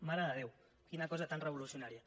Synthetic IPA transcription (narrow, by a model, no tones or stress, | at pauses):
maɾəðəð̞ew | kinakɔzat̪anrəβ̞ulusjunaɾia